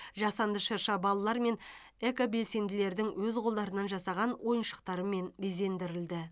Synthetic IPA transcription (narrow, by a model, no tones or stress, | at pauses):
ʒɑsɑnd̪əʃəɾʃɑbɑlˠɑlˠɑɾme̞n | ekobe̞lse̞nd̪ɪle̞ɾd̪ɪŋwɵzqʰolˠd̪ɑɾənɑnʒɑsɑʁɑnwʔo̞jənʃə̥qt̪ɑɾəme̞nbe̞ze̞nd̪ɪɾɪld̪ɪ